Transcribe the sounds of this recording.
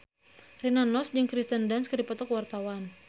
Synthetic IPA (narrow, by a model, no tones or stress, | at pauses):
rinanːɔsd͡ʒəŋkɾist̪əndanskərdipɔt̪ɔkwart̪awan